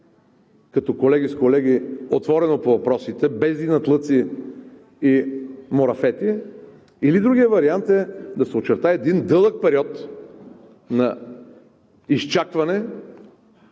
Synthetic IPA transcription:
kɐt̪ɔkolɛɡʲiskolɛɡiot̪vɔɾɛnopovɐpɾɔsit̪ɛbɛzd̪inɐt̪lˠɤt̪si | imoɾɐfɛt̪i | ilid̪ɾuɡʲiəvɐɾiant̪ɛd̪ɐsɛot͡ʃɛɾt̪aɛd̪ind̪ɤlˠək̚pɛɾiɔt̪ | nɐ | ist͡ʃakvɐnɛ

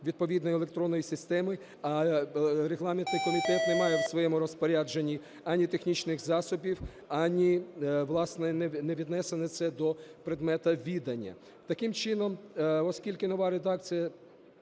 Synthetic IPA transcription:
ʋʲid̪̚pɔʋʲid̪nɔjelˠekt̪ɾɔnːɔjisɪst̪ɛmɪ | ɐ | ɾeɦlˠɑmʲɪnt̪nɪjkɔmʲit̪ɛt̪nemɑjɛwsʋɔjɛmʊɾɔspɔɾʲad͡ʒenʲːi | anʲit̪exnʲit͡ʃnɪxzɑsʊbʲiw | ɑnʲiʋlˠɑsnɛɛnɛʋʲid̪nɛsenɛt̪sɛd̪ɔpɾed̪mɛt̪ɐʋʲid̪ɐnʲːɐ̰ | t̪ɐkɪmt͡ʃɪnɔmɔskʲilʲkɪnɔʋaɾed̪ɑk̚t͡sʲijɐ

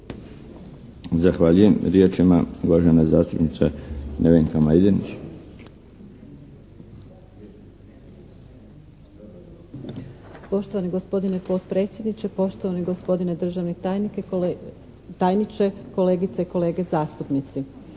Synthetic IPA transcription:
zaxʋaːʎuje̞mɾje̞t͡ʃima̰uʋaʒenazaːst̪upnit̪sanʔeʋeŋkamajd̪enit͡ɕ | po̞ʃt̪oʋaniɡo̞spo̞d̪inepo̞t̪pɾe̞ːt̪sʲje̞d̪nit͡ʃe̞po̞ʃt̪oʋaniɡo̞spo̞d̪ined̪r̩ʒaʋnenik | t̪ajnit͡ʃeko̞le̞ːɡit̪seiko̞leːɡezaːst̪upnit̪si

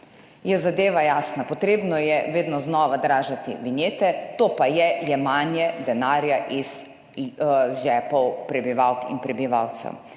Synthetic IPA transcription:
jɛzad̪eːʋajaːsnapɔt̪ɾeːbnɔjɛʋeːd̪nɔznɔːʋad̪ɾaːʒat̪ḭʋinjeːt̪ɛt̪oːpajɛjɛmaːnjɛd̪ɛnaːɾjaʔiz | ʒɛːpɔwpɾɛbiʋawkḭnpɾɛbiʋawt̪sɛ̰w

